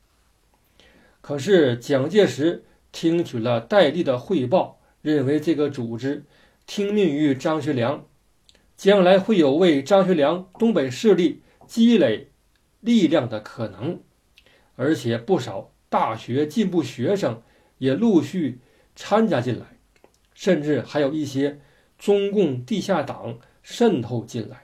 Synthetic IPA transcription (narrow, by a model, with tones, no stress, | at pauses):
kʰɤ˨˩ʂ̬ɻ̩˥˩t͡ɕjɑ˨˩ŋt͡ɕjɛ˥˩ʂɻ̩˧˥ | t̪ʰi˥ŋt͡ɕʰy˨˩lə˦t̪a˥˧ɪli˥˩d̪ə˩xwe˥˧ɪp̬ɑ˥˧ʊ | ɻə˥˩nwe˧˥ɪʈ͡ʂɤ˥˩ɡə˩t͡su˨˩ʈ͡ʂɻ̩˥ | t̪ʰi˥ŋmi˥˩ŋy˧˥ʈ͡ʂɑ˥ŋɕ̬ɥɛ˧˥ljɑ˧˥ŋ | t͡ɕjɑ˥nla˧˥ɪxwe˥˩ɪjo˨˩ʊwe˥˩ɪʈ͡ʂɑ˥ŋɕɥɛ˧˥ljɑ˧˥ŋt̪ʊ˥ŋpe˨˩ɪʂɻ̩˥˧li˥˩ | t͡ɕi˥le˨˩ɪ | li˥˧ljɑ˥˩ŋd̪ə˩kʰɤ˨˩nɤ˧˥ŋ | ə˞˧˥t͡ɕʰjɛ˨˩pu˥˩ʂɑ˨˩˦ʊ | t̪a˥˩ɕɥɛ˧˥t͡ɕi˥˧npu˥˩ɕɥɛ˧˥ʂɤ˨˩ŋ | jɛ˨˩lu˥˧ɕy˥˩ | t͡sʰa˥nt͡ɕja˧˥t͡ɕi˥˩nla̰˧˥ɪ | ʂə˥˧nʈ͡ʂɻ̩˥˩xa˧˥ɪjo˨˩ʊi˥˩ɕjɛ˥ | ʈ͡ʂʊ˥ŋkʊ˥˧ŋt̪i˥˧ɕja˥˩t̪ɑ˨˩˦ŋ | ʂə˥˧nt̪ʰo˥˧ʊt͡ɕi˥˩nla̰˧˥ɪ